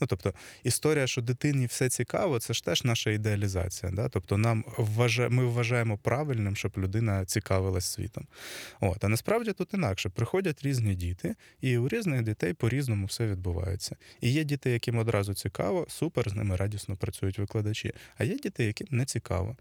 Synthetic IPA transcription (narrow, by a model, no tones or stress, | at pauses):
nut̪ɔpt̪ɔist̪ɔɾʲijɐʃt͡ʃɔd̪ɪt̪ɪniwsɛt͡sʲikɑ̰ʋɔt̪sɛʃt̪ɛʒ̥nɑʃɐid̪eɐlʲizɑ̰t͡sʲijɐ̰d̪ɑt̪ɔpt̪ɔnɑmʋːɐʒmɪʋːɐʒɑjemɔpɾʔɑʋɪlʲnɪmʃt͡ʃɔblʲʊd̪ɪnɐt͡sʲikɑʋɪlˠɐsʲsʲʋʲḭt̪ɔmo̰t̪ɐnɐspɾɑwdʲit̪ut̪inɑkʃɛpɾɪxɔdʲɐtʲɾʲizʲnʲidʲit̪ɪ | iʊɾʲiznɪxdʲit̪ɛjpɔɾʲiznɔmʊwsɛʋʲid̪̚bʊʋɑ̰jʊ̰t͡sʲːɐijɛdʲit̪ɛjːɐkɪmɔd̪ɾɑzʊt͡sʲikɑ̰ʋɔsupɛrznɪmɪɾɑdʲisnɔpɾɐt͡sʲujʊtʲʋɪklˠɐd̪ɐt͡ʃʲḭɐjɛdʲit̪ɛjːɐkɪmnɛt͡sʲikɑ̰ʋɔ̰